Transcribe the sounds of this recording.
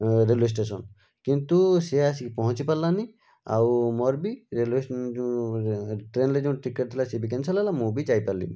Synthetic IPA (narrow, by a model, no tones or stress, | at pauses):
ɾeles̬ʈesɔn | kint̪useas̬ikpɔɦɔ̃t͡ʃipalːani | a̰wmɔɾbiɾeles | ʈɾenled͡ʒɔ̃w̃ʈikeʈ̚t̪ʰilasebikɛnsɔlalamũbid͡ʒajpalḭm